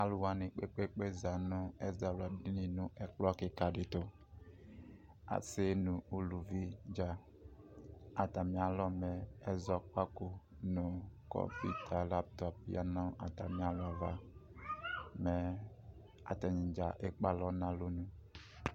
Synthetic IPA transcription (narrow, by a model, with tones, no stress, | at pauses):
a˦lu˨wa˨nɪ˨k͡pe˦k͡pe˦k͡pe˦za˨nʊ˦ɛ˦za˨la˨di˦ni˨nʊ˨ʔɛ˨klɔ˦kɪ˨ka˨dɪ˨tʊ˨ | a̰˨se˦nũ˨u˨lu˨vi˦d͡ʒa˨ | a˨ta˨mĩ˨˦a˨lɔ˦mɛ˨ɛ˦zɔ˦k͡pa˦ko˨ | nʊ˨kɔ̰˦pḭ˦tʰa˨la˦p̚tɔ˦p̚ja̰˦nɔ̃˦ʔa˨ta˨mĩ˨˦a˦lɔ˨va˨ | mɛ˨ | a̰˨tɛ˨ɲĩ˨d͡ʒa˨ʔe˦k͡pa˦lɔ˦nã˦lo˦nũ˨